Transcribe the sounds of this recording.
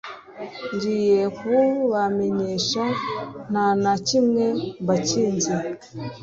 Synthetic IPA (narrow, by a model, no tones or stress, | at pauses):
nɟijekuβame̞ɲeʃan̥hanacimŋe̞mbaciːnzi